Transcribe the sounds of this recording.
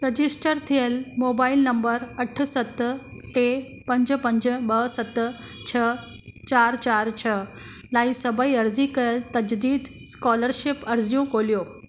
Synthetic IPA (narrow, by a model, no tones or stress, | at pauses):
ɾəd͡ʑisʈəɾt̪ʰielmobailnəmbəɾəʈʰsət̪ː | ʈe | pəɲd͡zpəɲd͡ʑəbəɦsət̪ː | t͡ɕʰə | t͡ɕaɾt͡ɕaɾt͡ɕʰə | laisəbəiəɾd͡zikəlt̪əd͡ʑd̪iːd̪skɔləɾɕipəɾd͡zjũkoljo